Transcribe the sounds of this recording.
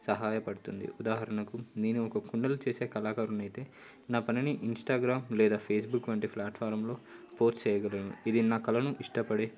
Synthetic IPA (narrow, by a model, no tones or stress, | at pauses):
sɐɦaːjɐpɐɽut̪und̪ḭud̪aːɦɐɾɐɳɐkuniːnuɔkɐkuɳɖɐlut͡ʃeːse̞ːkɐlaːkaːɾumɐjt̪e̞ː | naːpɐniniʔinsʈaːɡɾaːmlɛːd̪aːpʰeːsbukːʋɐɳʈipʰlaːʈfʰaːɾɐmlo̞ːpoːsʈt͡ʃɛːjɐɡɐlɐnṵid̪inaːkɐlɐnuʔiʂʈɐpɐɽeː